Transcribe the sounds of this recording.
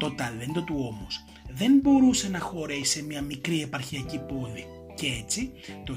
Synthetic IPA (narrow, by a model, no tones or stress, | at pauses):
t̪o̞t̪ɐle̞nd̪o̞t̪uo̞mos | ðe̞nbo̞ɾuse̞nɐxo̞ɾe̥se̞mɲɐmikɾie̞pɐɾçiɐcipo̞ðḭ | cee̞t͡sit̪o̞